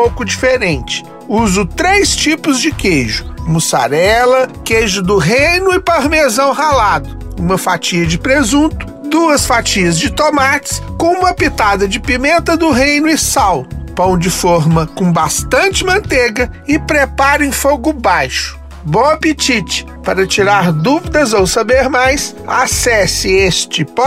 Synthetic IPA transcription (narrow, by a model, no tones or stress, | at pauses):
owkʊd͡ʒifeɾẽnt͡ʃɪ̥ | uzʊt̪ɾejst͡ʃipʊzd͡ʒɪkejʒʊmusa̰ɾɛlɐkejʒʊd̪ʊɦejnʊɪpaɾmezɐ̃w̃halad̪ʊũmɐfat͡ʃiɐd͡ʒɪpɾezũt̪ʊ | d̪uɐsfat͡ʃiɐzd͡ʒɪt̪omat͡ʃɪ̥skõũmɐpit̪ad̪ɐd͡ʒɪpimẽnt̪ɐd̪ʊɦẽjnʊɪsawʊpɐ̃w̃d͡ʒɪfoɾmɐkõbast̪ɐ̃nt͡ʃɪmɐ̃nt̪eɡɐɪpɾepaɾɐẽj̃foɡʊbajʃʊ̥ | bõɐpit͡ʃit͡ʃɪ̥ | paɾɐt͡ʃiɾaɾd̪uvid̪ɐzowsabeɾmajs | a̰sɛsɪest͡ʃɪp